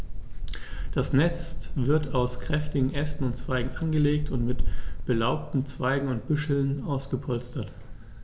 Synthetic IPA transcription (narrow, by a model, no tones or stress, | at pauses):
d̥asnɛt͡stv̥ɪɐtaʊskʁ̥ɛftɪɡŋ̩ʔɛstn̩ʊntt͡sv̥aɪɡŋ̩ʔanɡəleːk̚tʰʊntmɪtb̥əlaʊp̚tn̩t͡sv̥aɪɡŋ̩ʊnt̚b̥ʏʃl̩naʊsɡ̥əpʰɔlstɐt